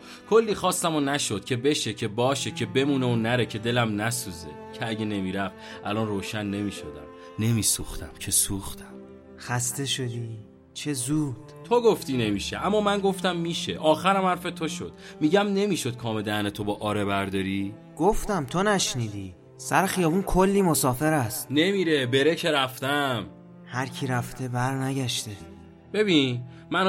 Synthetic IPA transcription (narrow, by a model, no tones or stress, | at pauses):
kʰo̞lːiːxɒːst̪æmonæʃo̞d̪̥cʰe̞be̞ʃe̞cʰe̞bɒːʃecʰe̞be̞muːneonæɾe̞cʰe̞d̪e̞læmnæsuːzecʰeæɟe̞ne̞miːɾæft̪ʔælɒːnroːʃænːe̞miːʃod̪æm | ne̞miːsuːxt̪ʰæmcʰe̞suːxt̪æ̥m | xæst̪e̞ʃod̪i | t͡ʃʰezuːd̪̥t̪ʰoɡo̞ft̪iːne̞miːʃeʔæmːɒːmænɡo̞ft̪æmːiːʃeʔɒːxæɾæmhæɾfe̞t̪ʰoʃo̰d̪̥miːɟæmne̞miːʃo̞d̪̥̚kʰɒːmed̪ænet̪ʰobɒːʔɒːɾebæɾd̪ɒːɾi | ɡ̥oft̪æmt̪ʰonæʃniːd̪iː | sæ̰ɾexijɒːbunkʰolːiːmo̞sɒːfe̞ɾæst̪ne̞miːɾe̞be̞ɾecʰe̞ɾæft̪æm | hæɾcʰiɾæft̪ʰe̞bæɾnæɟæʃt̪e̞ | b̥e̞biːn | mæn